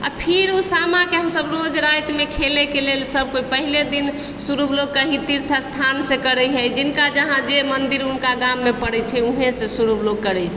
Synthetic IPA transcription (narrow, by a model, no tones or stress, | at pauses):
a̰pʰiɾusamãkeɦəmsəbɾod͡ʒɾajt̪mekʰelekelelsəb̚ʱkoipəɦiled̪in | suɾubloɡ̚kəɦit̪iɾt̪ʰəst̪ʰansẽkəɾɛɦɛjd͡ʒɪnkad͡ʒəɦãd͡ʒemənd̪iɾunkaɡamːepəɽɛt͡ʃʰɛuɦẽsẽsuɾubloɡ̚kəɾɛt͡ʃʰɛ